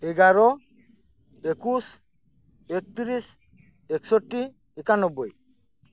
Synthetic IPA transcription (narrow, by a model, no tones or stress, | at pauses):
eɡaɾɔ | ekus | ek̚t̪iɾis | eksoʈːi | ɛkanɔbːoj